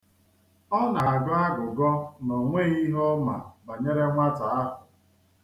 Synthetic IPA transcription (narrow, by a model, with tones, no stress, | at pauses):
ɔ˦na˨a˨ɡa˦ɡʊ˨ɡɔ˦nɔ˨ŋʷe˦˨i˦ɦɔ˦ma̰˨ba˨ɲe˦ɾe˦ŋʷa˦ta˨a˦ɦʊ˨